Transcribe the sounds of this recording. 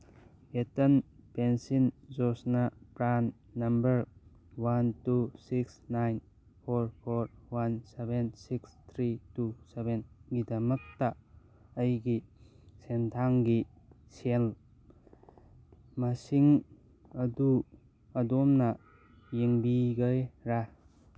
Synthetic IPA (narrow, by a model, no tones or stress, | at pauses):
etɐnpensinzɔsnapɾanː | ɐmbɐɾ | wantusiksnajn | pʰoɾpʰoɾwansebensikst̪ʰɾitusebenɡidɐmɐk̚taː | jɡi | sentʰaŋɡi | sel | mɐsiŋ | ɐdu | ɐdɔmnɐ | jiŋbiɡəjɾa